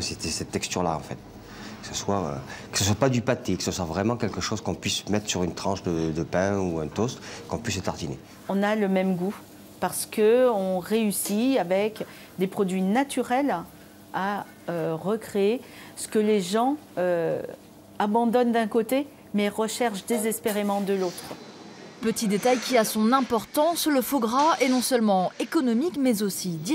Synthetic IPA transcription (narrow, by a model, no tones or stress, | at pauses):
set̪ɛsɛt̪ːɛkst̪yʁla̰ɑ̰̃fɛt̪ | kə̥səswaø̰kə̥səswapad̪ypat̪ekə̥səswavʁɛmɑ̃kɛlkəʃozkɔ̃pɥismɛt̪χsyʁynt̪χɑ̃ʃd̪əd̪əpɛ̃uɛ̃t̪ɔst̪kɔ̃pɥiset̪aʁd̪inḛ | ɔ̃naləmɛmɡu | paʁsə̥kəɔ̃ʁeysiavɛk | d̪epχɔd̪ɥinat̪yʁɛl | a | øʁəkχee | sə̥kəleʒɑ̃ | ø | abɑ̃d̪ɔnd̪ɛ̃kot̪e | mɛʁəʃɛʁʃd̪ezɛspeʁemɑ̃d̪əlot̪χ | pət̪id̪et̪ajkʲiasɔ̃nɛ̃pɔʁt̪ɑ̃sləfoɡʁaɛnɔ̃sœlmɑ̃ekɔnɔmikmɛzosid̪